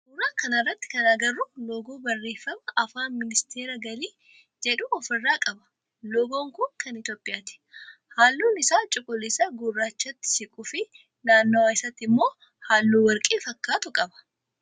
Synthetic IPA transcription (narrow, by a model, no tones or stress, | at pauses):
hʊɾaːŋkɐnɐrːɐt̪ːɪ̥kɐnaːɡɐrːʊloɡoːbɐrːe̞ːfːɐmɐʔɐfaːnmɪnɪst̪ʰeːɾɐɡɐliː | d͡ʒɛᶑʊɔfɪrːaːkʼɐbɐ̥ | lɔɡo̞ːŋkʊŋkɐnɪt̪jo̞ːpʼɪjaːt̪ɪ̥haːlːuːnɪsaːt͡ʃʼʊkʼːʊlɪsɐɡʊrːaːt͡ʃːɐt̪ːɪ̥sɪkʼʊfɪ | naːnːoːaːɪsɐt̪ːɪmːo̞ː | haːlːuːwɐɾkʼiːfɐkːaːt̪ʊkʼɐbɐ̥